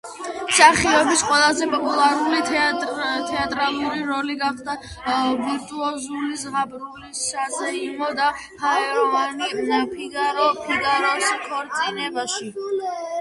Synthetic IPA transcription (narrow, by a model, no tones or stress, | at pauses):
saχiɛbisqʼwɛlˠazɛpʼɔpʼulˠaɾulit̪ʰ | t̪ʰɛat̪ʼɾalˠuɾiɾɔliɡaχd̪a | viɾt̪ʼuɔzulisʁabɾulisːazɛimɔd̪a | pʰaɛɾɔvanipʰiɡaɾɔpʰiɡaɾɔskʰɔɾt̪sʼinɛbaʃi